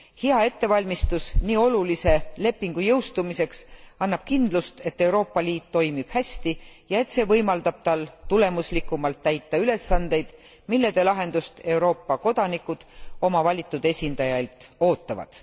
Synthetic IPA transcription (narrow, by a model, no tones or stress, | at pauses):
hiɑe̞t̪ːe̞vɑlʲmist̪usniːo̞lulise̞le̞pːiŋɡ̥ujɤwst̪umise̞ksɑnːɑb̥kind̪̥lust̪e̞t̪ːe̞wɾo̞ːpːɑliːt̪ːo̞jmib̥hæsʲt̪ijɑe̞t̪se̞ːvɤjmɑld̪̥ɑb̥̚t̪ɑlt̪ule̞muslikːˑumɑlt̪ːæjt̪ːˑɑyle̞sːɑnd̪̥e̞jd̪̥ | milːe̞d̪̥e̞lɑɦe̞nd̪̥ust̪e̞uwɾo̞ːpːɑko̞d̪̥ɑnikːˑud̪̥o̞mɑvɑlʲit̪ːˑud̪̥e̞sʲind̪̥ɑjɑlt̪ˑo̞ːt̪ːˑɑvɑ̰d̪̥